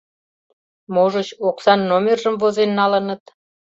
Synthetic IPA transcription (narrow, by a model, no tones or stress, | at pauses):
moʒət͡ɕoksɑnːomʲerʒəmvozenːɑlənə̆t̪̚